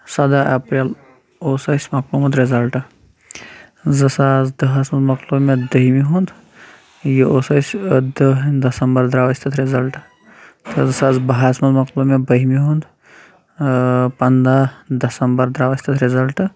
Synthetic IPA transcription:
sɐd̪aʔɐpɾel | oːsɐsʲmɐklumɐt̪ɾezɐlʈɨ | zɐsaːzd̪ɐɦasmɐd̪mɐklomed̪ɐɦimiɦũnd̪ | jioːsɐsʲəd̪ɨnd̪ɐsɐmbɐɾd̪ɾaːʋɐsʲt̪ɐt̪ʰɾezɐlʈ | t̪ʰɐzɨsaːzbɐɦasmɐd̪mɐklumebɐɦmiɦũnd̪ | pɐnd̪ad̪ɐsɐmbɐɾd̪ɾaːʋɐsʲt̪ɐt̪ʰɾezɐlʈɨ

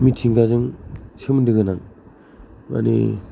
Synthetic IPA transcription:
mitʰiŋɡazɯŋsɯmndɯɡɯnaŋ | ma̰nḭ

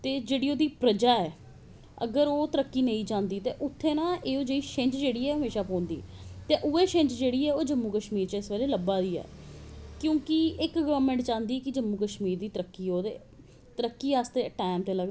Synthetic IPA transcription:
t̪eːd͡ʒeːɽiːoːd̪iːpɾəd͡ʒaːɛː | ə̰ɡəɾoːt̪əɾəkːiːnəĩːd͡ʒãːnd̪iːt̪eːʔʊt̪ʰːeːnãːʔeːoːd͡ʒeːiːʃɪ̃ɲt͡ʃd͡ʒeːɽiːɛːɦəmeːʃaːpɔ̃ːnd̪iːt̪eːʔʊeːʃɪ̃ɲt͡ʃd͡ʒeːɽiːɛːoːd͡ʒəmːuːkəʃmiːɾt͡ʃɪsʋeːleːləbaːd̪iːɛ̰ːkjõːkɪɪkɡəʋəɾmɛ̃ːɳʈt͡ʃãːnd̪iːkɪd͡ʒəmːuːkəʃmiːɾd̪iːt̪əɾəkːiːoːd̪ḛː | t̪əɾəkːiːaːst̪eːʈaːɪmt̪eːləɡ

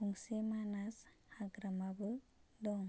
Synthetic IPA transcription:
uŋsemanas | haɡɾamabɯ | d̪ɔŋ

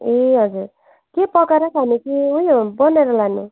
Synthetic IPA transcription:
eɦʌd͡zuɾ | kepʌkeɾʌkʰanikiujbʌneɾʌlani

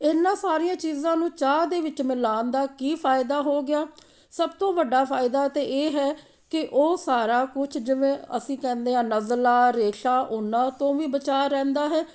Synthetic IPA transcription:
ɪnːãːsaːɾɪjãːt͡ʃiːzãːnũːt͡ʃaːd̪eːʋɪt͡ʃmɪlaːnd̪aːkiːpʰaːɪd̪aːɦoːɡɪaː | səbt̪õːʋəɖaːpʰaːɪd̪aːt̪eːʔeːɦɛː | kɪʔoːsaːɾaːkʊt͡ʃʰd͡ʒɪʋẽːə̰sĩːkɛ̃ːnd̪eːãːnəzlaːɾeːʃaːʔʊnãːt̪õːʋiːbət͡ʃaːɾɛ̃ːnd̪aːɦɛː

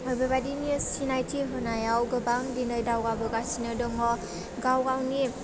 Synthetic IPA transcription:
ɔbeβadinisinajtʰiɦɯnajawɡɯbaŋdinəjdawɡabɯɡasinɯdɔŋɔ | ɡawɡawni

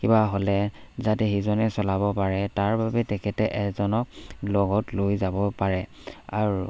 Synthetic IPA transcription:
kibaɦolɛzatɛxizɔnɛsɔlabɔpaɹɛtaɹbabɛtɛkʰɛtɛʔɛzɔnɔk̚lɔɡɔtlojzabɔpaɹɛa̰ɹu

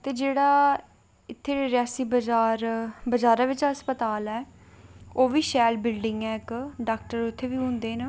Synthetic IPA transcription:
t̪eːd͡ʒeːɽaː | ɪt̪ʰːeːeɾɪaːsiːbd͡ʒaːɾbəd͡ʒaːɾaːʋɪt͡ʃaəspət̪aːlɛː | oːʋiːʃɛːlbɪlɖɪŋɡɛːɪkɖaːk̚ʈəɾʊt̪ʰːeːʋiːɦʊ̃nd̪eːnə

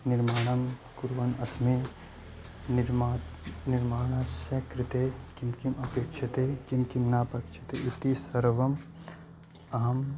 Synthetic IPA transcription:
niɾmaːɽ̃ɐmkuɾʋɐnɐsme | ɾmaniɾmaːɳ̃asɐkɾɪt̪ekimkimɐpeːkʃɐt̪ekimkimnaːpɐkʃʰɐ̥t̪eut̪isɐɾʋɐm | ɐɦɐm

